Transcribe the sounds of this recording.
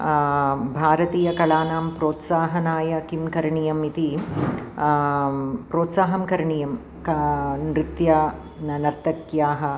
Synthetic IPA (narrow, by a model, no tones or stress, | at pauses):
bʱaːɾɐt̪iːjɐkɐlaːnaːmpɾoːt̪saːɦɐnaːjɐkimkɐɾɐɳijɐmit̪i | pɾoːt̪saːɦɐmkɐɾɐɳijɐm | kɐnɾit̪jɐ | nɐɾt̪ʰɐkjaːɦɐ̆